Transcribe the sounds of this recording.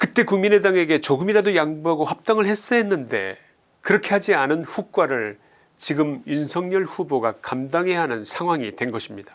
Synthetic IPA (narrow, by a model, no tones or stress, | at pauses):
kɯt͈e̞kuŋmine̞daŋe̞ɡe̞t͡ɕoɡɯmiɾadojaŋbuɦaɡohap̚t͈aŋɯɭhe̞s͈ʌɦenːɯnde̞̰ | kɯɾʌkʰe̞had͡ʑianɯnɸuk͈waɾɯɭ | t͡ɕiɡɯmjunsʰʌŋɲʌɭɸuboɡakamdaŋɦe̞ɦanɯnsʰaŋɦwaŋitwe̞nɡʌɕʰimɲidḁ